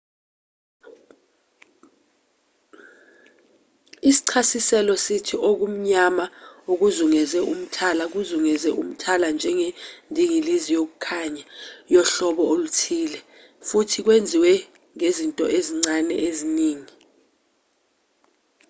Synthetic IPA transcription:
isi̥ǀʰasisɛlɔsitʰiʔok̬um̩ɲamaok̬uzuŋɛzɛum̩tʰalak̬uzuŋɛzɛʔum̩tʰaland͡ʒʱɛŋendʱiŋilizijok̬ukʰaɲajɔɬɔɓɔolutʰiːlɛ | futʰik̬wend͡zʱiwɛ | ŋezintʼɔ̰ʔeziŋ͡ǀanɛ̰ʔeziniːŋi

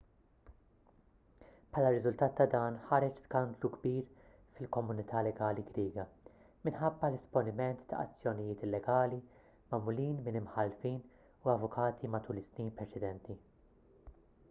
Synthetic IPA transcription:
pħɐːlɐrːɪzʊlt̪ɐːt̪ːɐd̪ɐːnħɐɾɛt͡ʃskɐnd̪luɡbiːɾ | fɪlkɔmʊnɪt̪ʰɐːlɛɡɐːliɡɾiːɡɐ | mɪnħɐbːɐlɪspɔnɪmɛnt̪ːɐ̰ʔɐ̰t͡sːjɔnɪjɪːt̪ɪlːɛɡɐːli | mɐmʊliːnmɪnɪmħɐlfiːn | uɐvʊkʰɐːt̪ʰimɐt̪uːlɪsniːnpɾɛt͡ʃɛd̪ɛnt̪i

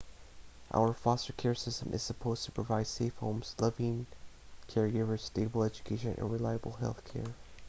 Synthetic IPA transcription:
ʔa̰ʊə˞fɑstə˞kʰɛɹsɪstə̃mʔɨ̰z̥səpʰoʊz̥tʰə̥pʰɹ̥ɨvaɪd̥seɪfhõ̰ʊ̃mz̥lʌvɪ̃ŋ | kʰɛɹɡɪvə˞steɪbl̩ˠɛd͡ʒɨ̥kʰeɪʃɨ̃nʔɨ̰̃nɹɨlaɪəbl̩ˠɦɛ̰lˠθkʰɛ̰ɹ

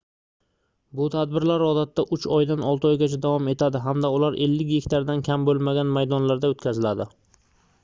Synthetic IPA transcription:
bʊt̪ʰad̪bɪɾlaɾɒd̪at̪ʰːaʔʊt͡ʃʰɒjd̪anɒlˠt̪ɪɒjɡʲat͡ʃʰad̪avɒme̞t̪ʰad̪ɪɦamd̪aʊlaɾʔe̞̰lːɪkʲjekʲt̪ʰaɾd̪ankʲʰambolˠmaɡʲanmajd̪ɒnlaɾd̪aot̪kʲazɪlad̪ɪ

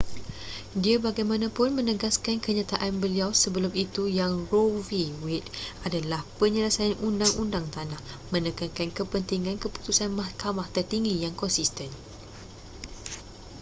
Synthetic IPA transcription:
diabaɡajmãnãpʊnmə̃nəɡaskankəɲãt̪aʔanbəliawsəbəlʊmit̪ujaŋroviwɪt̪̚adalahpəɲələsajanʔundaŋundaŋt̪anãh | mə̃nəkankankəpənt̪iŋãnkəpu̥t̪usanmahkamaht̪ərt̪iŋɡijaŋkɔnsist̪ən

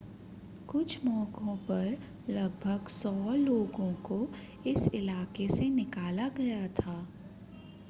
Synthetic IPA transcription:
kʊt͡ʃʰmɔːkõpɐɾ | lɐɡbʱəɡsɔːloːɡõko | ɪsɪlaːkesenɪkaːlaɡɐjat̪ʰaː

